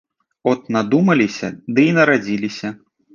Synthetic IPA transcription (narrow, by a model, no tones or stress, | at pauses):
ɔt̪̚nad̪umɐlʲisʲɐd̪ɨinɐɾad͡zʲilʲisʲɐ